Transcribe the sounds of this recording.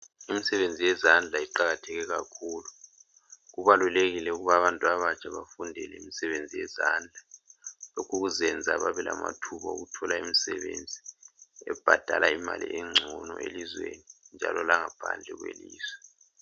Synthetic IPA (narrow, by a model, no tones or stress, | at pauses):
imisɛβend͡zʱijɛzand͡ɮʱaiǃaɣatʰɛɣɛɣakʰuːlu | ɣuβaluleɣilɛuɣuβaβantʼuaβat͡ʃʼaβafundʱɛlɛimisɛβend͡zʱijɛzand͡ɮʱalokʰuɣuzɛnd͡zʱaβaβɛlama̰tʰuβaṵɣutʰɔlaimisɛβend͡zʱiɛb̥ʱad̥ʱalaimalḭʔɛŋ͡ǀʱɔnɔ̰ʔelizwenind͡ʒʱa̰lɔlaŋapʰa̰nd͡ɮʱɛɣwḛliːzwɛ